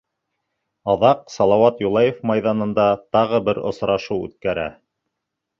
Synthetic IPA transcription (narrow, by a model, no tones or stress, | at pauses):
ɑðɑqsɑlˠɑwɑt̪julˠɑjefmɑjðɑnɤ̆nd̪ɑt̪ɑʁɤbɘɾŏ̰sɾɑʃuwʉ̰t̪̚kæɾæ̰